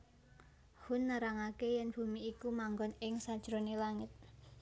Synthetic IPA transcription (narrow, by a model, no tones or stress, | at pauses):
hʊnːaɾaŋakejɛnb̥ṳmiikumaŋɡɔnɪŋsad̥ʒ̥ɾonelaŋɪt̪̚